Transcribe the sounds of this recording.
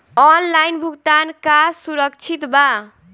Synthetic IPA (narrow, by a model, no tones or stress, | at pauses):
ɔnlajnbʱuɡt̪ankasuɾəkt͡ʃʰit̪ba